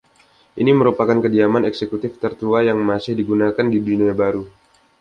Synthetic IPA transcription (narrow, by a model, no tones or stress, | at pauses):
ʔiniməɾupakankədiamanɛksekut̪ɪft̪ərt̪uajaŋmasɪhdiɡunakandiduniabaɾu